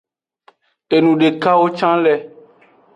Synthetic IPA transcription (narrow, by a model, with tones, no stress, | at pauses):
e˨nũ˨ɖe˨ka˦wo˦t͡ʃã˦lɛ˦